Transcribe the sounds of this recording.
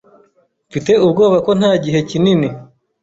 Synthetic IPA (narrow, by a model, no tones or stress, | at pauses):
fite̞ubɡo̞ːβako̞n̥haːɟiɦe̞cinini